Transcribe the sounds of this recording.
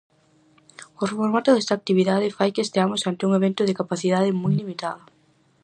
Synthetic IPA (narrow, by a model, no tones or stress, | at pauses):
ʊrefoɾmat̪ʊðɛst̪ak̚t̪iβiðaðɪfajkeːst̪eamʊsant̪ɪuŋeβent̪ʊðɪkapaθiðað̞ɪmujlimit̪aðɐ